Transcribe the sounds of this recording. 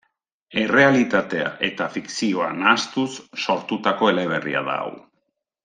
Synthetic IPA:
e̞re̞alit̪at̪e̞a̰ʔe̞t̪afiksio̞a̰nast̪usːo̞ɾt̪ut̪ako̞e̞le̞β̞e̞rḭa̰ða̰ːw

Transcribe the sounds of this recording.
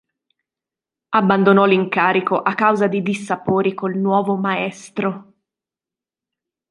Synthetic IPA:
abːand̪onɔliŋkaːɾikoʔakːawzad̪id̪isːapoːɾikolnwɔːvomaɛst̪ɾo

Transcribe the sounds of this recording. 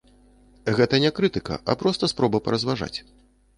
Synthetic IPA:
ɣɛt̪ɐnʲɛkɾɨt̪ɨkɐ̰ʔɐ̰pɾɔst̪ɐspɾɔbɐpɐɾɐzvaʐa̰t͡sʲ

